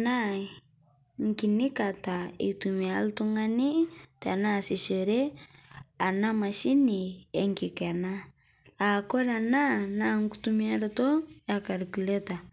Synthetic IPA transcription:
na | ŋki˨ni˦ka˨taḭ˨tumialtu˦ŋani˦ta˨nasi˨se˨ɾɛ˦ | a˨na˦maʃi˦niɛŋkikɛ˨naː˨ | kɔ˦ɾananaŋkutumia˦ɾɔtɔ˦akaɾiku˨le˦ta˨

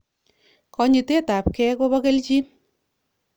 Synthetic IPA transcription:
kɔ˧ɲi˨te˦ta˨pkɛ˦ko˦bɔ˦ke˦lt͡ʃi˦

